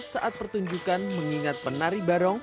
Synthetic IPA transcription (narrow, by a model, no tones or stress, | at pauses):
saʔat̪̚pərt̪uɲd͡ʒukanməŋiŋat̪̚pənaɾibaɾɔŋ